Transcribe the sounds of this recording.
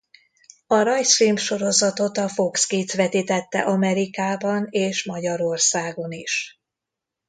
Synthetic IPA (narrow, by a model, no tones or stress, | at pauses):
ɒɾɒjsriːmpʃo̞ɾo̞zɒt̪o̞t̪ɒfo̞kskiːsʋɛt̪iːt̪ɛt̪ːɛ̰ʔɒmɛɾikaːbɒneːʃmɒɟɒɾo̞rsaːɡo̞niʃ